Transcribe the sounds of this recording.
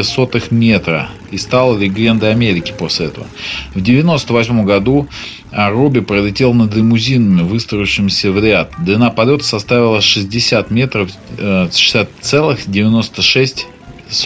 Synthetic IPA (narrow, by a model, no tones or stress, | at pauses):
so̞t̪ɨxmʲet̪ɾə̰ | ist̪alˠəlʲɪɡlʲend̪əɐmʲeɾʲɪkʲɪ̥po̞sʲlʲɪɛt̪əvə̰vdʲɪvʲɪno̞st̪əvɐsʲmo̞mɡɐd̪u | ɐrobʲɪpɾəlʲɪtʲe̞lˠnəd̪ɪmʊzʲinəmʲɪvɨst̪ɾəjʊɕɪmʲɪsʲəvɾʲɪat̪̚d̪ɪnapɐlʲo̞t̪ə̥sɐst̪avʲɪlˠəʂɨzʲdʲɪsʲat̪mʲe̞t̪ɾəfʂɨ̥sʲat̪t̪sɛlˠɨxdʲɪvʲɪno̞st̪əʂɛsʲtʲ | s